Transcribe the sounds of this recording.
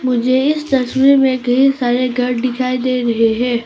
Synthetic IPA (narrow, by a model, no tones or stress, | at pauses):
mʊd͡ʒʱeɪst̪ɐswiɾmẽkɐɦĩsaːɾeɡʱɐɾɖɪkʰaːid̪eːɾɐɦeɦɛ̃ː